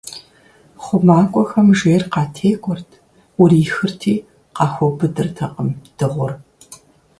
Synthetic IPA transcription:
χʷʊmaːkʷʼɔxɐmʒeːrqɑːtʰeːkʷʼɔrtʰ | ʊɾiːxɨrtʰiː | qɑːxʷɔbɨdɨrtʰɐqʼəmd̥ɨʁʷʊr

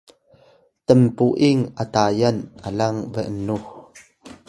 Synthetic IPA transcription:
t̪əmpuʔɪŋʔət̪aːjɐnʔəlɐŋvɛʔnnːuh

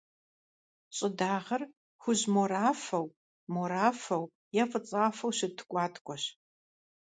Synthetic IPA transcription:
ɕʼɪdaːʁɐr | xʷʊʑmoɾaːfɐw | moɾaːfɐw | jɛfʼɨt͡sʼaːfɐwɕɪtʰkʷʼaːtʰkʷʼɔɕ

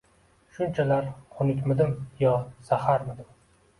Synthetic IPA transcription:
ʃʊnt͡ʃʰalaɾqʰʊnɪkʲmɪd̪ɪmjɒsahaɾmɪd̪ɪm

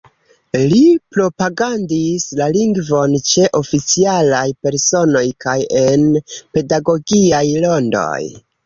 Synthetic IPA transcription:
lipɾo̞paɡandislaliŋɡvo̞nt͡ʃe̞ʔo̞fit͡sialajpe̞ɾso̞no̞jkaje̞npe̞daɡo̞ɡiajlo̞ndo̞̰j

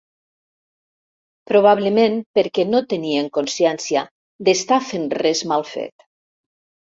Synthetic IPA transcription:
pɾoβ̞aβləmẽnpeɾkɛnot̪enieŋkonsjɛnsja | d̪est̪afenrɛzmalˠfḛt̪

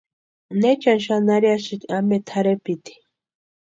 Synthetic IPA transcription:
net͡ʃanʃanaɾjaʃik̪amet̪ʰaɾepit̪i̥

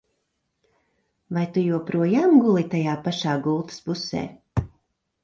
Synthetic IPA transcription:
vajt̪ujuɔpɾuɔjaːmɡulˠit̪ajaːpaʃaːɡulˠt̪ɨ̥spusɛ̰ː

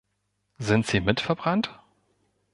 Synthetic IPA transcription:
zɪntz̥iːmɪtfɛɐbʁant

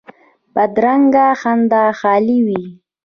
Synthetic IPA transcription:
pad̪ɾaŋɡaxand̪aːxɑːliwi

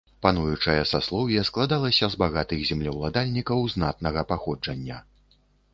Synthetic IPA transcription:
panujut͡ʂɐjɐsaslˠɔwjɛsklˠad̪alˠɐsʲɐzbaɣat̪ɨɣzʲɛmlʲiwlˠad̪alʲnʲikɐwznat̪nɐɣɐpaxɔd͡ʐɐnʲːɐ

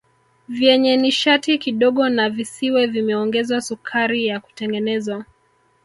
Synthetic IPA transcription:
vjɛɲɛniʃatikiɗɔɠɔnavisiwɛvimɛɔŋɡɛzwasukʰaɾijaku̥tɛŋɡɛnɛzwa

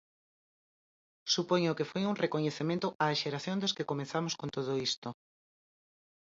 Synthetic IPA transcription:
supoɲʊkefojuŋrekoɲeθemẽnt̪ʊʔaːʃeɾaθjõnd̪eskekomenθamoskõnt̪oð̞ʊist̪o

